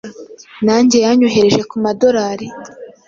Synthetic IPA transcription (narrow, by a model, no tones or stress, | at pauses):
naːɲɟe̞jaɲoɦe̞ɾe̞ʒe̞kumado̞ɾaːɾi